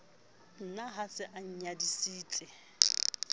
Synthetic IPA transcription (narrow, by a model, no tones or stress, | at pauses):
n̩naɦasɪʔaɲ̩ɲadisiːt͡sʼɪ